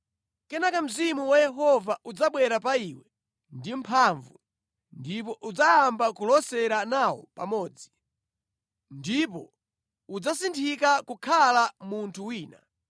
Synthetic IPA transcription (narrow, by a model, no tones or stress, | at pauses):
kɛnakam̩zimuwajɛɦɔvaʔud͡zaɓwɛɾapaiwɛ | ndimpʰaɱvu | ndip̬ɔʔud͡zajambakulɔsɛɾanawɔ̰pa̰mɔːd͡zi | ndip̬ɔ | ud͡zasintʰikakukʰalamuntʰuwiːna̰